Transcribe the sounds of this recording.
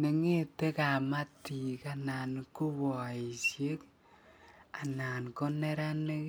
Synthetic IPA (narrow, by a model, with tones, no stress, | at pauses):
ne˨ŋe˦te˦ka˨ma˦ti˨ka˦na˨nku˦wɔ˨i˨sje˦k | a˨na˨nko˦ne˦ɾa˦ne˦k